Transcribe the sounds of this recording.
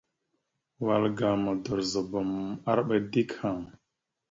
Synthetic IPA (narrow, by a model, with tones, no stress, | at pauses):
wa˨lɡa˨mə˨də˨ɾzə˨bə˨ma˦ɾɓə˦di˦kha˨ŋ